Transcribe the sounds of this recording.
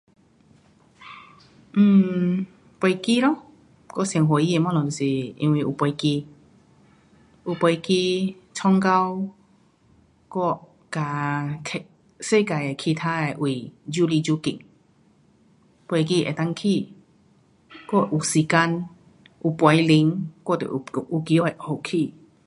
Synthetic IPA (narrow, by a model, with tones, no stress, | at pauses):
m̩˧˩ | pjki˦˧lɔ˧˦ | kɔ˦˨sŋɦo˨i˦e˧˨mɔ̃˦lɔ˨t̪o˧˨si˨˩ḭ˧nwi˧˨ʔu˨˩pwɔ˧jki˧ | ʔu˨˩pwa˧jki˧t͡sʰɔ˧˦ŋka˦˧w | kɔ˥˦˩ | ka˨˩kʰe˧˨ | se˥˧˨ka˨je˨kʰi˧t̪ʰa˦e˧˩ʔwi˨˩d͡ʑu˦li˧d͡ʑu˦kḭ˧˨ŋ | pwe˧jk̬i˧ḛ˨˩t̪a˧˦ŋkʰi˥˧˨ | kɔ˥˦˨ʔu˨si˨ka˧n | ʔu˨˩pwa˨˧˦jli˧˦ŋkɔ˥˦˨t̪ɛ̰˨ʔʔu˧˩ki˧˦ɔ˦e˨ho˨kʰi˧˨